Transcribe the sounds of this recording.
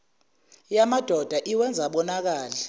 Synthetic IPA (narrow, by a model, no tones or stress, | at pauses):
jamad̥ʱɔd̥ʱaʔiwɛnd͡zʱaɓɔnak̬aːlɛ